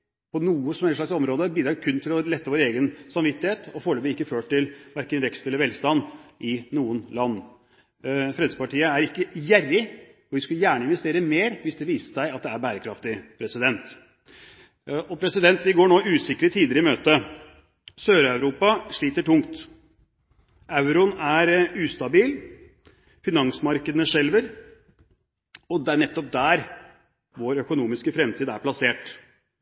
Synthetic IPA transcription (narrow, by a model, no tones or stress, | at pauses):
pʰɔnuːəsɔmæɾt̪ʂɭɑksɔmɾoːd̪əbiːd̪ɾɑkʰʉnːt̪ʰɪlɔlɛt̪ːəʋoːɾeːɡənsɑmʋɪt̪ːɪheːt̪ʰɔfoːɭøːbəɪkːəføːʈʈːɪlʋæɾkənʋɛkst̪ɛlːəʋɛlst̪ɑnːʔɪnuːənlɑnː | fɾɛːd̪əsəpɑʈiːəæɾɪkːəjærːɪ | ɔʋɪskʉljæːɳəɪnʋɛst̪eːɾəmeːɾʋɪsd̪ɛʋiːsə̥ʂæɪɑt̪̚d̪ɛæɾbæːɾəkʰɾɑft̪ɪpʰɾɛsɪd̪ɛnt̪ | ɔpʰɾɛsɪd̪ɛnt̪ʋɪɡoːɳoːʉːsɪkːəɾət̪ʰiːd̪ɪɾɪɪmøːt̪ə | søːɾœʉɾuːpɑʂɭiːt̪əʈʊŋt̪ | ʔɑʉɾʊnæɾʉːst̪ɑbiːl | fɪnɑŋsmɑɾkəd̪ənəʂɛlʋəɾ | ɔd̪ɛæɳɛt̪ːɔp̚d̪æːɾ | ʋoːɾœkʊnuːmɪskəfɾɛmt̪ʰiːd̪æɾpʰlɑseːʈ